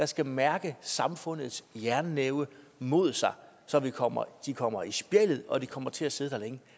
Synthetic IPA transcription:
d̥ɑ̈sɡ̥æmæɐɡ̥əsɑ̈mfɔ̽n̰ð̩ˠsjæɐnːeʊə | mo̝ð̞̰ˠsɑ̈ɪ | sɒ̽ʋikʰɒm̰ɐ̰d̥ikʰɒ̽m̰ɐisb̥jelð̩ˠɒ̽d̥ikʰɒ̽m̰ɐt͡sʰe̝æse̝ðˠd̥æleŋə

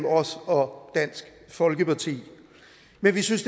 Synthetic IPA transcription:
m̩ɒ̽sɒ̽d̥æn̰sɡ̥ | fɒ̽lɡ̥əpʰɑ̈t͡sʰḭː | menʋisynsd̥

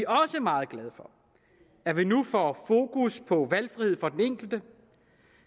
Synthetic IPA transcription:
iɒ̽səmɑ̈ːð̩ˠɡ̥lɛð̞ˠfɒ̽ | æɐʋinufɒfo̝ːkʰuspʰɒ̽ʋælfʁihe̝ð̞̰ˠfɒ̽d̥eneŋ̰ɡ̥l̩d̥ə

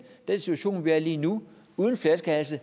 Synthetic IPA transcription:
d̥ensit͡sʰuæɕo̝̰ːnʋiæɐliːnu | uːð̞ˠən̩flæskʰæl̩sə

